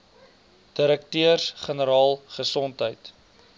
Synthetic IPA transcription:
d̥iɾək̚tøərsχənəɾɑːlˠχəsɔntɦəjt

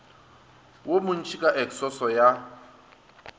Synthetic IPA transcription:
womʊn̩t͡ʃʰikʼaʔɛksɔsɔja

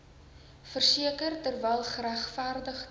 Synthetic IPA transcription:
fərsiəkərtərvɛlˠχəɾæχfæːrdəχ

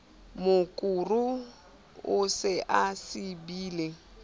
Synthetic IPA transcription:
mʊkʼuru | ʊsɪʔasɪbiːle

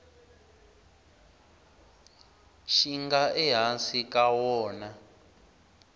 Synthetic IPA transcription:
ʃiŋɡaʔɛɦansikʼawɔːna

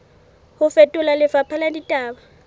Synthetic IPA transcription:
hʊfɛtʼʊlalɪfapʰaladitʼaːba

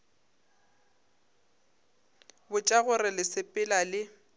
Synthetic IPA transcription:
bʊt͡ʃʼaɣʊrɪlɪsɪpʼɪlalɪ

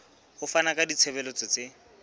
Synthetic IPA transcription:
hʊfanakʼadit͡sʰɛbɛlot͡sʼet͡sʼe

